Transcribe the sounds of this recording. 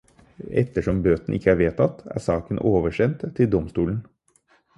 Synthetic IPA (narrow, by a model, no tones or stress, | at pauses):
ɛ̰t̪ːəʂɔmbøːt̪n̩ʔɪkʰːəæːɾʋeːt̪ʰɑt̪æ̰ːsɑːkənʔoːʋəʂɛnt̪ʰːɪld̪ɔmst̪uːln̩